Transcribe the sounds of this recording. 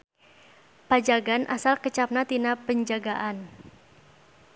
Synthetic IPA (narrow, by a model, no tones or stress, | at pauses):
pad͡ʒaɡanʔasalkət͡ʃap̚nat̪inapəɲd͡ʒaɡaʔan